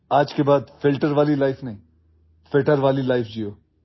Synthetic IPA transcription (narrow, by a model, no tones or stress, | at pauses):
aːd͡ʒkebaːd̪fɪlʈəɾʋaːlilaːɪfnɐɦĩː | fɪlʈəɾʋaːlilaːɪfʰd͡ʒiːoː